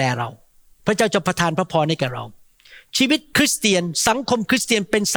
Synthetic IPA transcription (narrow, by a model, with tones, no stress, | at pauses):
ɛː˧˩ɾa̰˧w | pʰɾa˦˥t͡ɕaː˥˩wt͡ɕa˨˧˩pʰːɾa˧t̪ʰaː˧npʰɾa˦˥pʰɔː˧na˥˩jkɛː˨˩ɾa̰˧w | t͡ɕʰiː˧wi˦˥t̪̚kʰɾi˦˥st̪i˧ənsa˨˩˦ŋkʰo˧mkʰɾi˦˥st̪i˧ənpe˧ns